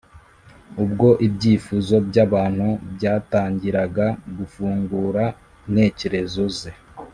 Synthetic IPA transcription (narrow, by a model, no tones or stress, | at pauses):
ub̚ɡo̞ʔibɟiːfuzo̞bɟaβaːn̥hubɟaːtaːɲɟiɾaɡaɡufuːŋɡuɾa | n̥e̞ːceɾe̞zoze